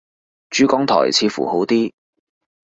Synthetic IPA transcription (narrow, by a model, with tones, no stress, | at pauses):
t͡ʃyː˨˥kɔː˨˥ŋt̪ʰɔ̰ː˨˩jt͡sʰiː˧fṵː˨˩ho˨˥wt̪iː˥